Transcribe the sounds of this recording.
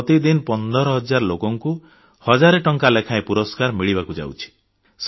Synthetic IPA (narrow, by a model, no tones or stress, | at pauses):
ɔt̪id̪inpɔnd̪ɔɾɔɦɔd͡ʒaɾlokɔŋku | hɔd͡ʒaɾeʈɔŋkalekʰaepuɾɔskaɾmiɭibakud͡ʒa̰wt͡ʃʰi̥ | s